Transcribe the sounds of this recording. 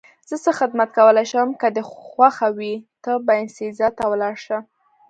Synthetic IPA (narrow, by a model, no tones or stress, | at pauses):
z̥əsəxɪd̪mat̪̚kawəlajʃəwəmkəd̪əxwaxawit̪əbaɪnsizɑt̪ːawlɑɾʃa